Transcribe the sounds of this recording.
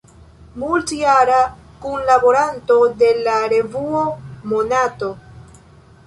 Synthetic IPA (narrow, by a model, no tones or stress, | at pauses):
multiaɾakunlabo̞ɾanto̞de̞laɾe̞vuomo̞nato̞